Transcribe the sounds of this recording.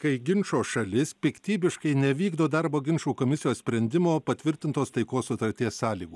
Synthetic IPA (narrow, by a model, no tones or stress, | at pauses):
kɐɪɡʲɪnʲʃoːʃɐlʲɪspʲɪkt̪ʲiːbʲɪʃkɐɪnʲɛʋʲiːɡd̪oːd̪ɐɾboːɡʲɪnʃuːkoːmʲɪsʲɪjoːssʲpʲɾʲɛnʲd̪ʲɪmoːpɐt̪ʲʋʲɪɾʲt̪ʲɪnt̪oːst̪ɐɪkoːsʊt̪ɐɾʲt̪ʲiɛsːɑːlʲiːɡuː